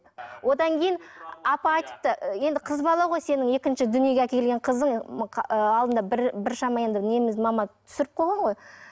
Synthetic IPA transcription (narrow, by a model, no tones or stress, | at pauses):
wo̞d̪ɑŋkʲʰejɪnɑpɑːjt̪ə̥p̚t̪əje̞nd̪ɪqʰəzbɑlˠɑʁo̞jse̞nɪŋe̞kʲɪnʃɪd̪ʏnije̞ɡʲekʲʰe̞lɡʲe̞ɴqʰəzd̪əɴ | ɑlˠd̪ənd̪ɑbɪɾbɪɾʃɑmɑje̞nd̪ɪne̞mɪzmɑmɑt̪ʰʏ̥sɪɾɪp̚qʰolʁɑɴʁo̞j